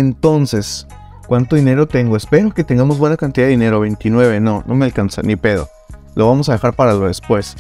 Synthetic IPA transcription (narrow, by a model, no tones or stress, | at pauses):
ent̪o̞nses | kwant̪o̞ð̞ine̞ɾo̞t̪e̞ŋɡoespe̞ɾoket̪e̞ŋɡamozβwe̞nakant̪iðaðeine̞ɾoβe̞jnt̪inwe̞β̞e̞no̞nʔo̞mealkansa̰nipe̞ðo̰ | lʔoβamo̞sað̞e̞xaɾpaɾaloðespwe̞s